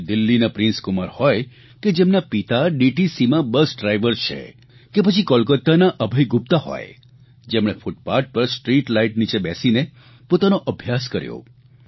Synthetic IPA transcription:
d̪ɪlːinapɾɪ̃nskʊmaɾhɔj | ked͡ʒemnapit̪aɖiʈisimãbəsɖɾajʋəɾt͡ʃʰḛ | kepət͡ʃʰikɔlkət̪ːanaʔəbʱəjɡup̚t̪aɦɔ̰j̰ | d͡ʒemɽ̃efuʈ̚paɾʈ̚pəɾsʈɾiʈlaiʈnit͡ʃebɛsine | pot̪anoʔəbʱjaskəɾjo̰

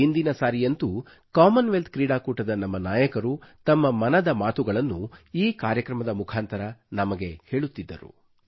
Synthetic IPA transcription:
ind̪inɐsaːɾijɐnt̪u | kaːmɐnʋelt̪̚kɾiːɽaːkuːʈɐd̪ɐnɐmːɐnaːjɐkɐɾut̪ɐmːɐmɐnɐd̪ɐmaːt̪uɡɐɭɐnːuiːkaːɾjɐkɾɐmɐd̪ɐmukʰaːnt̪ɐɾɐnɐmɐɡe̞he̞ːɭut̪ːid̪ːɐɾṵ

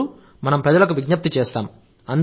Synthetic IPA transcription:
u | mɐnɐmpɾɐðɐlɐk̬ːɯʋɪɡɲɐp̚t̪it͡ʃeːst̪a̰ːm | ɐn

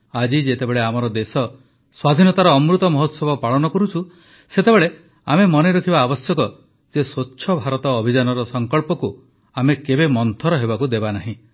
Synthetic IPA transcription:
ad͡ʒid͡ʒet̪ebeɭeamɔɾɔd̪esɔ | swad̪ʱinɔt̪aɾɔːmɾut̪ɔmɔɦɔt̪sɔbʱɔpaɭɔnɔkɔɾut͡ʃʰu | set̪ebeɭe | amemɔneɾɔkʰibaːbɔsjɔkɔ | d͡ʒeswotːʃʰɔbʱaɾɔt̪ɔːbʱid͡ʒanɔɾɔsɔŋkɔɭpɔku | amekebemɔnt̪ʰɔɾɔɦebakud̪ebanaɦĩ

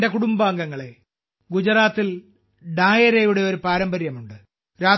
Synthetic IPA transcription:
de̞kuɽumbaːŋɡɐŋːɐɭe | ɡud͡ʑɐɾaːt̪ːil | ɖaːjɐɾejuɽe̞o̞ɾupaːɾɐmbɐɾjɐmuɳɖɨ | ɾaː

